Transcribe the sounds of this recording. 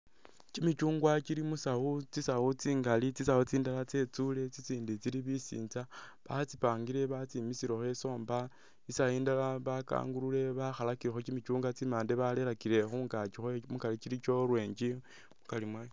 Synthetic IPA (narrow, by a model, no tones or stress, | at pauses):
cimit͡ʃuːŋɡwat͡ʃiɾimusaut͡sisaut͡siːŋɡalit͡sisaot͡siːndalat͡se̞t͡sule̞t͡sit͡siːndit͡siɾiβisḭːnt͡saβat͡sipaːŋɡiɾe̞βat͡simisiɾo̞xwe̞so̞ːmba | isajiːndalaβaka̰ːŋɡulule̞βaxalakiɾexot͡ʃimit͡ʃuːŋɡat͡simaːndeβale̞ɾakile̞xuŋɡat͡ʃixomukalit͡ʃiɾit͡ʃo̞ɾwe̞ːɲd͡ʒi | mukalimwej